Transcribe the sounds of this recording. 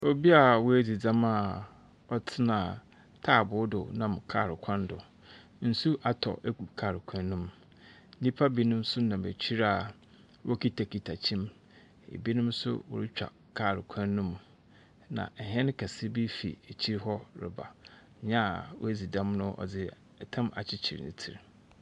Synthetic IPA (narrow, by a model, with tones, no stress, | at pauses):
o˦bi˦a˨wʊ˦æ˦d͡zi˨d͡zã˦ma˨ | ɔ˦tʰɪ˦nã˨ | tʰaː˦˨bʊ˦dʊ˨nã˦˨mkʰa̰ː˦˨ɾɪ˨kʷʰã˦ndʊ˨ | n̩˨su˦ʔa˨tʰɔ̰˨ʔe˦ku˨kʰaː˨ɾɪ˨kʷʰã˦nːʊ̃˦m˦ | nĩ˦pʰa˦bi˦nʊ̃˦m˦sʊ˦nã˨bæ̰˨t͡ɕʰi˦ɾa˨ | wʔɔ˦kʰi˦tʰa˨kʰi˨tʰa˨t͡ɕʰĩ˦m | ḛ˨bi˦nʊ̃˦msʊ̰˦wʊ̰˨ɾɪ˦t͡ɕᶣa̰˨ | kʰa˦˨ɾɪ˨kʷʰã˦nːʊ̃˦m | nã̰˨ɦɛ̃˦ñ˦kʰa˨sɪ˦bi˦fḭ˨æ˨t͡ɕʰi˦ɾɦɔ˦ɾɪ̰˨ba̰˨ | ɲã˦˨w̰æ˦d͡zi˨dã˦mnʊ̃˦ʔɔ̰˨d͡zɪ˦ | ɛ˨tʰã˦ma̰˨t͡ɕʰɪ˦t͡ɕʰi˨ɾnɪ̰̃˨tʰi˨ɾ